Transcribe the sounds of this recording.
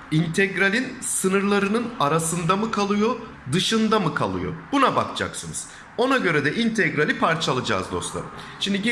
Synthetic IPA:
int̪ʰɛɟɾalʲinsɯnɯɾlˠaɾɯnɯnaɾasɯnd̪amɯkʰalˠɯjo | d̪ɯʃɯnd̪amɯkʰalˠɯ̰jo̞̰bunaba̰kd͡ʒʰa̰ksɯnɯz̥ | o̞naɟø̞ɾɛd̪ɛʔint̪ʰɛɡɾalʲipʰaɾt͡ʃʰalˠad͡ʒa̰ːzd̪o̞̰slˠa̰ɾɯʃimd̪iɟi

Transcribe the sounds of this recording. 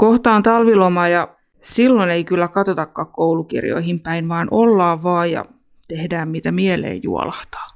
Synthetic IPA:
koht̪ɑːnt̪ɑlʋilomɑːjɑ | silːoneikylːækɑt̪ot̪ɑkːɑkkoulukḭrjo̰ihimpæinʋɑːnʔolːɑːʋʋɑːjjɑ̰ | t̪ehdæːmmiːt̪æmielḛːjjṵɔ̰lɑht̪ɑ̥ː

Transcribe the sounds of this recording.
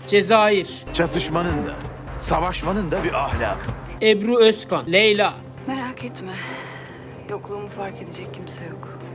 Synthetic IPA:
d͡ʒezaːjiɾt͡ʃʰat̪ʰɯʃmanɯnd̪a̰ | savaʃmanɯnd̪abiʔahlʲam | ebɾuøskanlejla | meɾaːkʰɛt̪mɛ | joklˠuːmufaɾked̪ed͡ʒɛcʰːimsɛjok

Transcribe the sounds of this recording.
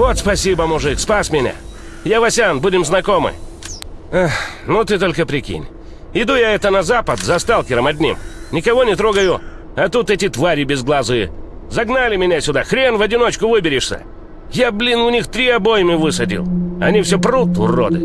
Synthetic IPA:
vo̞t̪spɐsʲibəmʊʐɨkspasmʲɪnʲa̰ | javɐsʲanbudʲɪmznɐko̞mɨ̰ | axnot̪ɨt̪o̞lʲkəpɾʲɪkʲḭnʲ | ɪd̪ujaɛt̪ənɐzapət̪zɐst̪alˠkʲɪɾəmɐdʲnʲḭmnʲɪkɐvo̞nʲɪt̪ɾo̞ɡəjʊ | ɐt̪ut̪ɛtʲɪt̪vaɾʲɪbʲɪzɡlˠazɨ̰ | zɐɡnalʲɪmʲɪnʲasʲʊd̪axɾʲenvɐdʲɪno̞t͡ɕkʊvɨbʲɪɾʲɪʂsʲə̰ | jablʲinʊnʲixt̪ɾʲiɐbojɪmɨvɨsədʲɪ̰lˠɐnʲifsʲoprut̪ʊ̰rːo̰d̪ɨ̰

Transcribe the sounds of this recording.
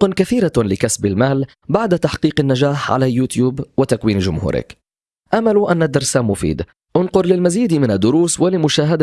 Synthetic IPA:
qʊnkaθiːɾalɪkasbɪlmaːl | baʕd̪at̪aħqiːqanːad͡ʒaːħʕa̰lajuːt̪juːbwɪt̪akwiːnʒʊmhṵːɾɪ̰k | ʔamaluʔanːad̪ːɑɾˤsamʊfḭːd̪ | ʔʊnqʊɾlɪlmaziːd̪mɪnad̪ːʊɾuːswalɪmʊʃaːɦad̪

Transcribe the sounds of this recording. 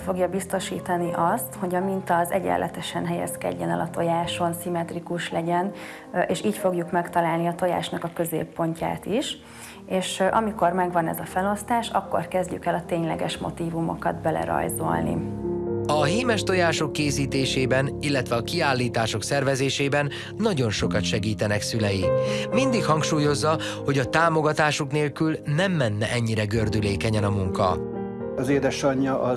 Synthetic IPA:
fo̞ɡjɒbist̪o̞ʃiːt̪ɒniʔɒst̪ho̞ɟɒmint̪ɒzɛɟɛ̰lːʔɛ̰t̪ɛʃɛnɦɛjɛ̰skɛ̰ɟːɛnɛ̰lʔɒt̪o̞jaːʃo̞nsimɛt̪rikuʃlɛɟɛn | eːʃiːcfo̞ɡjukmɛkt̪ɒlaːlniɒt̪o̞ja̰ːʃnɒkɒkø̞zḛːpːo̞ɲca̰ːt̪iʃ | eːʃʔɒmiko̞rmɛɡʋɒnɛ̰zɒfɛlo̞st̪aːʃɒ̰kːo̰rkɛzɟy̰kɛlɒt̪eːɲlɛ̰ɡɛʃmo̞̰t̪iːvumo̞̰kɒ̰d̪bɛlɛ̰ɾɒ̰jzo̰lnḭ | ɒɦiːmɛʃt̪o̞jaːʃo̞kːeːsiːt̪eːʃeːbɛnilːɛt̪ʋɛɒkiaːlːiːt̪aːʃo̞ksɛrvɛzeːʃeːbɛnː | ɒɟo̞nʃo̞kɒt̪ʃɛɡiːt̪ɛnɛksylɛjimind̪ikhɒŋkʃuːjo̞zːɒ | ho̞ɟɒt̪aːmo̞ɡɒt̪aːʃokneːlkylnɛmːɛnːɛʔɛɲːiɾɛɡø̞rd̪yleːkɛɲɛnɒmuŋkɒ̰ | ɒzeːd̪ɛʃɒɲːɒʔɒ

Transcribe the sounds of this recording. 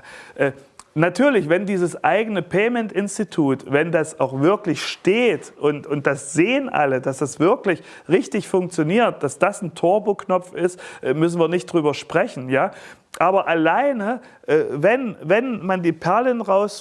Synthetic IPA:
ʔɛː | natʰyːɐlɪçv̥ɛndiːzəsʔaɪɡənəpʰɛːmɛntɪnstitʰuːtvɛndasaʊxv̥ɪɐklɪçʃteːtʔʊntʊnt̚d̥asz̥eːənʔa̰lədasd̥asv̥ɪɐklɪç | ʁɪçtɪçfʊŋkt͡sjoniːɐt̚d̥asd̥asn̩tʰoːɐboːknɔp͡fɪstʔɛːmʏsn̩viːɐnɪçt̚d̥ʁyːbɐʃpʁ̥ɛçn̩jaː | ʔaːbɐʔalaɪnə | ʔɛːvɛnvɛnmandiːpʰɛɐlɪnʁaʊs

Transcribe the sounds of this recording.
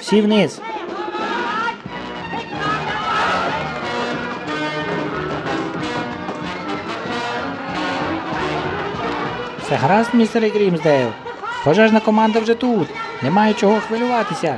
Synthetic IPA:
wsʲiwnɪs | t͡s̪ɛɦaɾɑsmʲnʲist̪ɛɾɪɡɾʲimzd̪ɛw | xɔʒaʒnɐkɔmɑnd̪ɐwʒɛt̪ut̪nɛmɑjɛt͡ʃɔɦɔxʋɪlʲʊʋɑt̪ɪsʲɐ

